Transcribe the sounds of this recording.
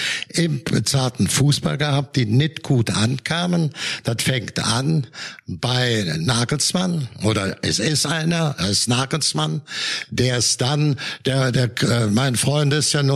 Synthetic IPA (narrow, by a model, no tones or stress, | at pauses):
ʔɪmb̥ət͡saːɐtn̩fuːsb̥a̰lɡəhap̚t̚d̥iːnɪtɡ̥uːtʔankʰaːmənd̥atfɛŋktʔanb̥aɪnaːɡl̩smanʔoːdɐʔɛsɪsʔaɪnɐʔasnaːɡl̩smand̥eːɐɪsd̥and̥eːɐdeːɐɛmaɪnfʁ̥ɔʏntɪstjaːnu